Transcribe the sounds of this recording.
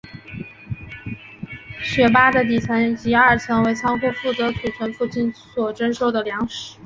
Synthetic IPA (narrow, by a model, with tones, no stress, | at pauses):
ɕɥɛ˧˥p̬a˥d̪ə˨t̪i˨˩t͡sʰa˧˥nt͡ɕi˧˥ɐ˞˥˩t͡sʰɤ˧˥ŋwe˧˥ɪt͡sʰɑ˥ŋxu˥˧fu˥˩t͡sɤ˧˥t͡sʰwe˨˩t͡ɕʰwə˧˥nfu˥˧t͡ɕi˥˩nswɔ˨˩ʈ͡ʂə˥nʂo˥˩ʊd̪ə˩ljɑ˧˥ŋʂɻ̩˨˧˥